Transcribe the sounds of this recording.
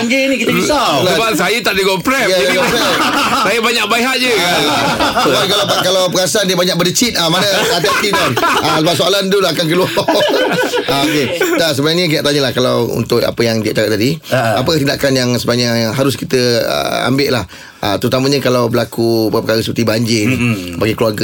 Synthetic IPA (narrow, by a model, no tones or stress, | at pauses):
ŋɡənikit̪ialbasajət̪aʔdiɡɔpɾɛaɡɔsajasajəbaɲak̚baiɦaʔ̪̚d͡ʒəkasubakalakalawpəɡasandiəbaɲak̚bədət͡ʃit̪̚amanə̃at̪iat̪idɔnasəbap̚soalant̪ulaakank̬əlua | aokedas̬əbənaɲə̃k̬idaʔt̪aɲəlahkalawṵnt̪ʊk̚a̰pəjaŋdiaʔt͡ʃakat̪̚adiapəjaŋt̪indakanjaŋsəbaɲaɦaɾʊskit̪əə̰a̰mbɪʔlah | a̰t̪əɾut̪amə̃ɲəkalawbəlakuppəkaɾəsəpərt̪ibaɲd͡ʒɪrbaɡikluarɡə